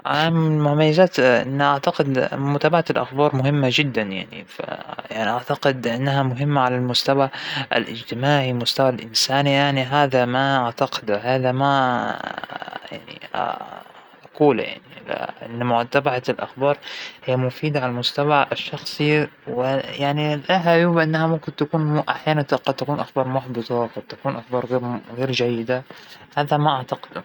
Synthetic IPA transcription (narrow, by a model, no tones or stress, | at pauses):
ʔaamɪlmʊhmajːazaːt̪ʔɪ̰nːʔaʕt̪aqɪd̪mʊt̪aːbaʕalʔa̰xbɑːɾˤmʊɦɪmːad͡ʒɪd̪ːanja̰ʕnḭfa̰jaʕniʔaʕt̪aqɪd̪ʔɪnːaɦamʊɦɪmːaʕalalmʊst̪awaɪ̰lʔɪ̰d͡ʒt̪ɪmaːʕimʊst̪awalʔɪnsaːnijaʕniɦaːðamaʔaʕt̪aqɪ̥d̪haːðama | ja̰ʕnḭ | ʔakuːl̰ja̰ʕniʔɪ̰nːamʊʕat̪ːabaʕalʔa̰xbɑːɾˤhɪjːamʊfiːd̪aʕalamʊst̪abaʕɪʃːɑxsˤiwɪjaʕnilʔaɦajuːbaʔɪnːahamʊmkɪnt̪akuːnʔaħjaːnant̪qɑd̪̚t̪akuːnʔaxbɑːɾˤmʊħbɨt̪ˤɑqɑd̪̚t̪akuːnʔaxbɑːɾˤɣeɾɣeːɾd͡ʒajːɪd̪ahaːðamaʔaʕt̪ɑqɪd̪u